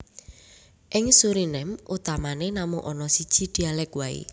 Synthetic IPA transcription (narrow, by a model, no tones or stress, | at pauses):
ʔɪŋsuɾinɛmʔut̪amanenamʊŋʔɔnɔsid̥ʒ̥i̤d̪̥i̤alɛkwaḭ